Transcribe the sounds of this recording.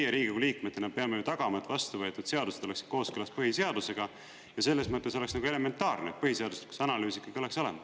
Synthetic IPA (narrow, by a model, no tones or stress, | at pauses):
jeɾiːɡikuliːkme̞t̪ːˑenɑpeɑmejut̪ɑɡ̥ɑmɑet̪ːvɑst̪uvɤ̞et̪ːˑud̪̥se̞ɑd̪use̞d̪̥oeksi̥d̪̥̚ko̞ːskølɑspɤɦise̞ɑd̪use̞ɡ̥ɑ | jɑse̞lːe̞smɤt̪ːˑe̞s̬olsnɑɡue̞le̞me̞nt̪ːɑːrneet̪̚pɤhise̞ɑd̪uset̪ku̥sɑnɑlyːsikːˑɑɡ̥io̞le̞kso̞le̞mɑd̪